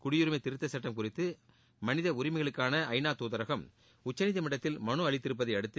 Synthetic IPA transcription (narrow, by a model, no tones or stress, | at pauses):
kʊɽɪjʊɾɯmɐɪt̪ɪɾɯt̪ːɐsɐʈːɐmkʊrɪt̪ːɯ | mɐnɪðɐʊɾɪmɐɪɣɐɭɯkːaːnɐʔɐɪnaːt̪uːðɐɾɐɣɐm | ʊt͡ʃːɐnɪðɐmɪɽɐt̪ːɪlmɐɳɯɐɭɪt̪ːɪɾɯpːɐðɐɪɐɽɯt̪ːɯ